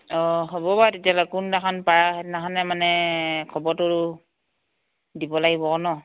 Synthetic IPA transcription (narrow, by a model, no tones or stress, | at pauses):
ɔɦobɔbatetialakundakʰanpaɹaɛtnakanɛmanɛkʰɔbɔtɔɹu | dibɔlaɡibɔkɔnɔ